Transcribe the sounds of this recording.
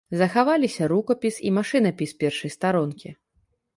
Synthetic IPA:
zɐxavalʲisʲɐɾukɐpʲisḭmaʂɨnɐpʲispʲɛrʂɐjst̪aɾɔnkʲi

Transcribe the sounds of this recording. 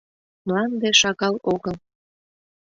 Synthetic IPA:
mlɑnd̪eʃɑɣɑloɣəl

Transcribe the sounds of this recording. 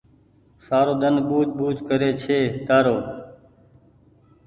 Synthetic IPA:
saːɾoːd̪ənbuːt̪̚buːt̪kəɾeːt͡ʃʰeːt̪aːɾoː

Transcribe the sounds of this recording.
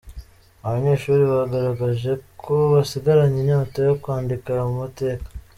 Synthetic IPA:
aβaɲe̞ːʃuːɾiβaɡaɾaɡaʒe̞kʰo̞βasiɡaɾaɲiɲaːtojokwaːndikamumute̞ːkḁ

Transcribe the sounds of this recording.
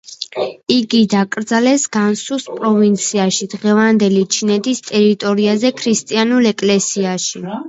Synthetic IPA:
iɡid̪akʼɾd̪zalɛsɡ̥ansuspʼɾɔvint̪sʰiaʃid̪ʁɛvand̪ɛlit͡ʃʰinɛt̪ʰist̪ʼɛɾit̪ʼɔɾiazɛkʰɾist̪ʼianulɛkʼlɛsiaʃi

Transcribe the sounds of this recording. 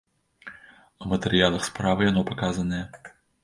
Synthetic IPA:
ɐmɐt̪ɛɾɨjalˠɐxspɾavɨjanɔpakazɐnɐjɛ

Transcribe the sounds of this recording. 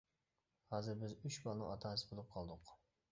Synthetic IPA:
hɑːzɪɾbɪzyt͡ʃbɑlˠnɨ̰ŋɑt̪ʰɑːsɨ̥bolˠup̚qʰɑlˠd̪ʊq

